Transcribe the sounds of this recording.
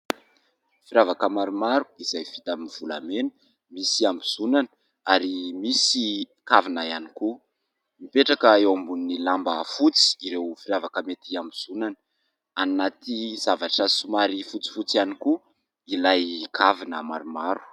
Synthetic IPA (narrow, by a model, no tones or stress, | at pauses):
fiɾavakəmaɾumaɾu̥iz̥ajv̥it̪aminv̥ula̰menə̥ | misiambiz̥unanə̥ | aɾimisi | kavinaianiku | mipeʈ͡ʂakəewambunnilambəfut͡si̥iɾewfiɾavakəmet̪iambiz̥unanə | anat̪iz̥avaʈ͡ʂəsumaɾifut͡si̥fut͡sianiku | ilajkʰavinə̰ma̰ɾumaɾu̥